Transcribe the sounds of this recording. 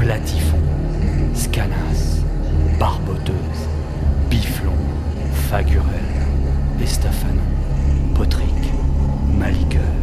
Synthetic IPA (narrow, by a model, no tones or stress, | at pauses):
plat̪ʰifɔ̃ | skanas | b̥aʁbɔt̪øːz | biflɔ̃ | faɡʲyʁɛlest̪afan | pɔt̪χik | malikʲœ